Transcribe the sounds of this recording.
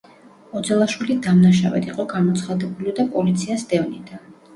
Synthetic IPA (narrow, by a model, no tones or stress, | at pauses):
ɔd̪zɛlˠaʃwilid̪amnaʃavɛ̰t̪ʰiqʼɔɡamɔt̪sʰχad̪ɛbuliɔd̪apʼɔlit̪sʰiasd̪ɛvnid̪̥an